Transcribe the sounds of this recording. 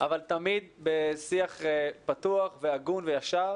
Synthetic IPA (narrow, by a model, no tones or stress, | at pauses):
ʔavalt̪amid̪̚besiaχepat̪uaχveaɡunvejaʃaʁ